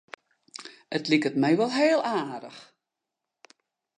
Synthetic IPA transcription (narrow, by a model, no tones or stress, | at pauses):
ətlikətmɛjʋɔlˠɦeːəlˠaːdəx